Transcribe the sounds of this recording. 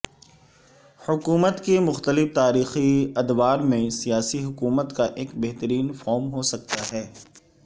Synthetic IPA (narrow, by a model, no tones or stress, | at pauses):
hʊkuːmət̪kemʊxt̪əlɪft̪aːɾiːxiɐd̪waːɾmẽsijaːsiɦʊkuːmət̪kaʔeːkbɛɦt̪əɾiːnfɔːɾmɦosɐk̚t̪aɦɛː